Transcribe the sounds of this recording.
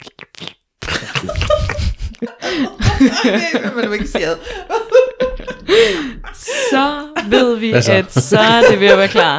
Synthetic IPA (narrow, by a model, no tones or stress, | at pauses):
md̥ueɡ̥seðˠ | sɒʋe̝ð̰ˠʋiæd̥sɒd̥eʋejæʋæːɐkʰlɑ̰̈ː